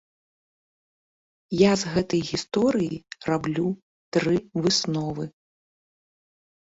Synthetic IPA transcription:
jazɣɛt̪ɐjɣʲist̪ɔɾɨjirablʲu | t̪ɾɨvɨsnɔvɨ

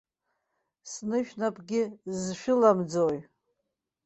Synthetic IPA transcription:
snɨʃᶣnapʼɡʲɪzʃᶣʊlamd͡zoj

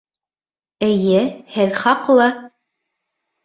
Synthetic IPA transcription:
ɘ̆jɘhɘðχɑqlˠɤ

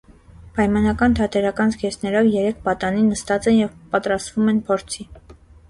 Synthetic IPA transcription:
pɑjmɑnɑkɑnt̪ʰɑt̪ʰɛɾɑkɑnzɡɛsnɛɾɔvjɛɾɛkʰpɑt̪ɑninːəst̪ɑt͡sɛnjɛvpɑt̪ɾɑst̪vumɛnpʰɔɾt͡sʰi

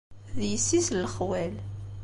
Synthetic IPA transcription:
ðjəsːisləχwæl

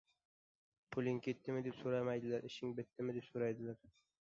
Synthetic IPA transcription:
pʰʊlʲɪŋkʲʰet̪ːɪmɪd̪epsoɾamajd̪ɪlaɾʔɪʃɪŋbɪt̪ːɪmɪd̪epsoɾajd̪ɪlaɾ

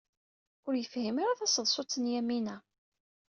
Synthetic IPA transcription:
ʊɾjəfhimaɾaθæsəðˤsˤʊt͡sːənjæminæ

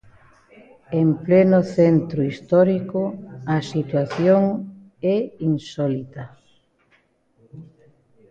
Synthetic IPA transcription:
emplɛnʊθent̪ɾʊist̪ɔɾikʊɐsit̪waθjoŋ | ɛinsɔlit̪ɐ

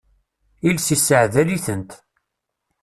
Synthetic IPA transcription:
ilsisəʕðæliθənt̪

